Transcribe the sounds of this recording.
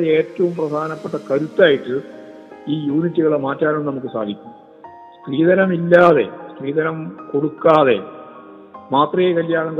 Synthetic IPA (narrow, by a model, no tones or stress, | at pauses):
e̞ːtːɐʋumprɐd̪ʱaːnɐpːeʈːɐkɐɾut̪ːaːjiʈːɨ | iːjuːnitːɨɣɐɭemaːtːaːnemnɐmuk̬ːɨsa̰ːd̪ʱikʲːumː | skriːðɐnɐmilːaːðe̞̰skriːðɐnɐmko̞ɽukːaːðe̞̰ | maːt̪rɐjekɐljaːɳɐŋk